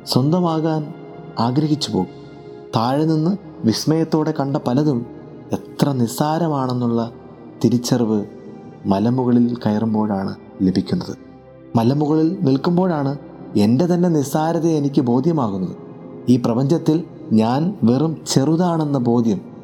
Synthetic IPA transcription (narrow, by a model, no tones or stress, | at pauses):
swɐnd̪ɐmaːɣaːn | aːɡɾɐɦit͡ɕːupo̞ː | t̪aːɻninːɨ | ʋismɐjɐt̪ːo̞ːɽe̞kɐɳɖɐpɐlɐðum | e̞t̪rɐnisaːɾɐmaːɳe̞nːuɭːɐ | t̪iɾit͡ɕːɐrʋɨ | mɐlɐmuɣɐɭilkɐjɐrumbo̞ːɻaːɳɨ | lebʱikʲːunːɐðɨ̰ | mɐlɐmuɣɐɭilnilkumbo̞ːɻaːɳɨ | e̞nde̞t̪ɐnːe̞nisaːɾɐðeenikʲːɨbo̞ːd̪ʱjɐmaːɣunːɐðɨ | iːprɐbɐɲd͡ʑɐt̪ːil | ɲaːnʋerumt͡ɕe̞ruðaːɳe̞nːɐbo̞ːd̪ʱjɐm